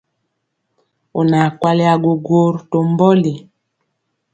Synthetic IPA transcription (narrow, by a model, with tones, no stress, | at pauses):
o˨na˨kwa˦le˦a˨ɡo˨ɡo˦˨ɾto˨mbɔ˦li˨